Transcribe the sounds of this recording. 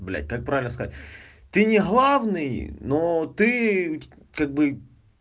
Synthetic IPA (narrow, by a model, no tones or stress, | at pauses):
blʲæ̰t̚ʲkak̚pɾavʲɪlʲnəskɐzatʲ | t̪ɨnʲɪɣlˠavnɨjnot̪ɨ | kaɡ̚bɨ